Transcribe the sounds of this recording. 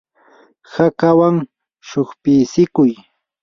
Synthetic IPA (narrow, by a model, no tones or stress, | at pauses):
hakawaŋ | ʃoχpiːsɪkʊj